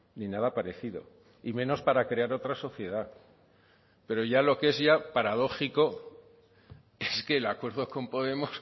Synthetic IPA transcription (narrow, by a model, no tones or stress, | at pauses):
ninaðapaɾe̞θiðo̞̰ | imẽ̞no̞spaɾakɾe̞aɾo̞t̪ɾaso̞θje̞ð̞a | pe̞ɾo̞ʝalo̞ke̞zʝapaɾaðo̞xiko̞ | e̞ske̞lakwe̞ɾðo̞ko̞mpo̞ð̞e̞mos